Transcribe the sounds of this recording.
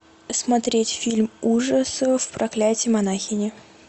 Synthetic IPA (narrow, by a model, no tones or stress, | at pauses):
smɐt̪ɾʲetʲfʲilʲmuʐəsfpɾʔɐklʲætʲɪjmɐnaxʲɪnʲɪ